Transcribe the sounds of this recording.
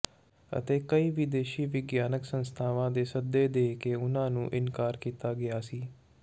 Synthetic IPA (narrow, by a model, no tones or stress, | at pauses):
ə̰t̪eːkəiːʋɪd̪eːʃiːʋɪɡjaːnəksənst̪ʰaːʋãːd̪eːsəd̪eːd̪eːkeːʊnãːnũːʔɪnkaːɾkiːt̪aːɡɪaːsiː